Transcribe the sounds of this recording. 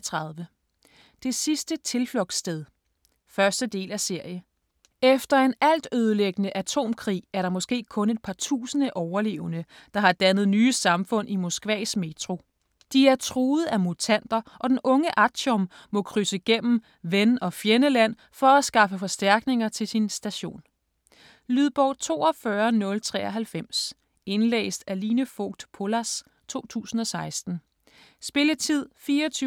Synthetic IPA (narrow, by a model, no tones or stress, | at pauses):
t͡sʰʁɑðˠʋə | d̥e̝sisd̥ət͡sʰe̝lflɔ̽ɡ̥sd̥eð̞ˠ | fɶɐsd̥əd̥e̝̰ːlæse̝ɐ̰jə | efd̥ɐe̝næl̰d̥øð̞ˠəleɡ̥ənəʔæt͡sʰo̝̰ːmkʰʁḭːæɐɾɑ̈mɔ̽sɡ̥e̝̰ːkʰɔ̽ne̝d̥̚pʰɑ̈t͡sʰṵːsənəʔɒʊɐle̝ːʊnə | d̥ɑ̈hɑ̈d̥ænð̞̩ˠnyːəsɑ̈mfɔ̽n̰ʔimɔ̝sɡ̥ʋɛ̰ːsme̝t͡sʰʁo̝ | d̥iæɐt͡sʰʁuːð̩ˠæmut͡sʰæn̰d̥ɐʔɒ̽d̥enɔ̽ŋəʔæɕɔmː | ɔ̽kʰʁysəɡ̥em̰m̩ | ʋenɒ̽fjenəlæn̰ | fɒ̽æsɡ̥ɑ̈fəfɒ̽sd̥æɐɡ̥ne̝ŋɐt͡sʰe̝lsinsd̥æɕo̝̰ːn | lyð̞ˠb̥ɒʊ̰t͡sʰo̝̰ːɒfɶɐnɔ̽lt͡sʰʁɛ̰ːɒɦælfem̰s | e̝nlḛːsd̥æliːnəfɔ̰ɡ̥̚d̥pʰo̝læs | t͡sʰo̝̰ːt͡sʰṵːsn̩ɒ̽sɑ̈ɪsd̥n̩ | sb̥e̝lət͡sʰið̰ˠfiːɐɒt͡sʰy